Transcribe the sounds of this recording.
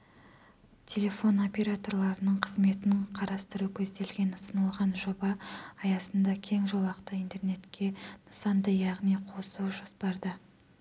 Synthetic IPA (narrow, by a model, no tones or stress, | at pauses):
tʲʰe̞lʲe̞fo̞no̞pʲe̞ɾat̪o̞ɾlˠɑɾənəɴqʰəzme̞t̪ɪnɪɴqʰɑɾɑst̪əɾukʲʰɵzd̪e̞lɡʲe̞nʊsənəlˠʁɑnʒo̞bɑːjɑsənd̪ɑkʲʰe̞ŋʒolˠɑqt̪əint̪e̞rne̞t̪kʲe̞nəsɑnd̪əjɑʁnijqʰo̞suwʒospɑɾd̪ə